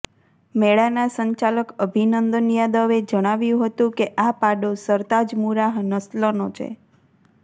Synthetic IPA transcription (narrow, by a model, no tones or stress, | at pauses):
meɭanasəɲt͡ʃaləkəbʱinənd̪ənjad̪əʋed͡ʒəɽ̃aʋjũɦət̪ũkeʔapaɖosəɾt̪ad͡ʒmuɾaɦnəslənot͡ʃʰḛ